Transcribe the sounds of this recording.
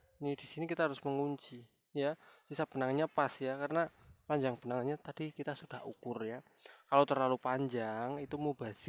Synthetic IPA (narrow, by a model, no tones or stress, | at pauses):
nid̥isinikit̪aɦaɾʊsməŋuɲt͡ʃi | jasisab̥ənaŋɲapasjakaɾənapaɲd͡ʒaŋb̥ənaŋɲat̪ad̥ikit̪asud̥ahukʊrja | kalowt̪ərlalupaɲd͡ʒaŋit̪umubaz̥ɪ